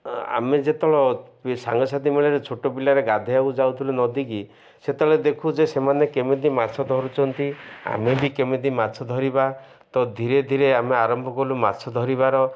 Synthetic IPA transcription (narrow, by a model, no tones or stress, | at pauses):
a̰med͡ʒet̪ɔɭɔsa̰ŋɡɔsad̪imeɭɔɾet͡ʃʰoʈobilaɾeɡad̪ʱeaud͡ʒawt̪ʰilunɔd̪iki | set̪ɔɭɔd̪ekʰud͡ʒesemanekemed̪imat͡ʃʰɔd̪ʱɔɾut͡ʃʰɔnt̪ia̰mebikemed̪imat͡ʃʰɔd̪ʱɔɾiba | t̪ɔd̪ʱiɾed̪ʱiɾeameaɾɔmbʱɔkɔluma̰t͡ʃʰɔd̪ʱɔɾiβaɾɔ